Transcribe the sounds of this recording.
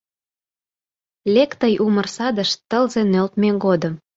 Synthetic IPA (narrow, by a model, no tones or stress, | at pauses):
lʲekt̪əjʔumərsɑd̪əʃt̪ːəlzenølt̪meɡod̪ə̆m